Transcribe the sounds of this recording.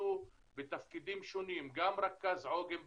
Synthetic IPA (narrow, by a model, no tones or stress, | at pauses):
u | bɪt̪afkiːd̪iːmʃʊniːmɡaːmɾˤɑkːazʕoːɡɪm